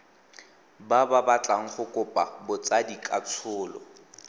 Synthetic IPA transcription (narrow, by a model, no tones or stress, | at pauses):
bababat͡ɬʼaŋ̩χʊkʼʊpʼabʊt͡sadikʼat͡sʰʊːlɔ̰